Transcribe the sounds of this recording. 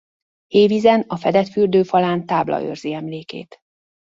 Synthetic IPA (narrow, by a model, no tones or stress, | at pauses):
eːvizɛnɒfɛd̪ɛt̪fyrd̪øːfɒlaːnt̪aːblɒ̰ø̰rziɛmleːkḛːt̪